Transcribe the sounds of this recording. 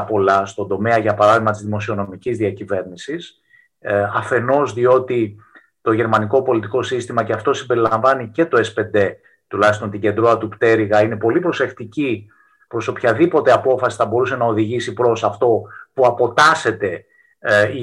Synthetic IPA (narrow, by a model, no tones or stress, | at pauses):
po̞lɐst̪o̞nd̪o̞me̞ɐʝɐpɐɾɐðiɣmɐt̪izðimo̞sio̞no̞micizðiɐcive̞ɾnisis | ɐfe̞no̞zðio̞t̪i | t̪o̞ʝe̞ɾmɐniko̞po̞lit̪iko̞sist̪imɐceɐft̪o̞simbe̞ɾilɐɱvɐnice̞t̪o̞e̞spe̞nd̪e̞ | t̪ulɐçist̪o̞nt̪iɟe̞nd̪ɾoɐt̪upt̪e̞ɾiɣɐine̞po̞lipɾo̞se̞xt̪ici | pɾo̞so̞pçɐðipo̞t̪e̞ɐpo̞fɐsi̥θɐbo̞ɾuse̞nɐo̞ðiʝisipɾo̞sɐft̪o̞puɐpo̞t̪ɐse̞t̪e̞ | i